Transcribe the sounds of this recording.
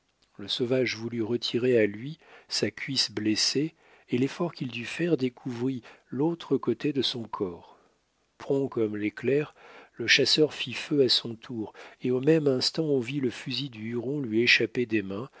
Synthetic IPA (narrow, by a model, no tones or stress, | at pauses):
ləsovaʒvulyʁət̪ʰiʁealɥisakʲɥisbleseː | lefɔʁkʲild̪yfɛʁd̪ekʰuvʁilot̪χəkot̪ed̪əsɔ̃kʰɔːʁ | pχɔ̃kɔmleklɛʁləʃasœʁfiføasɔ̃t̪ʰuʁeomɛmɛ̃st̪ɑ̃ɔ̃viləfyzid̪yyʁɔ̃lɥieʃaped̪emɛ̃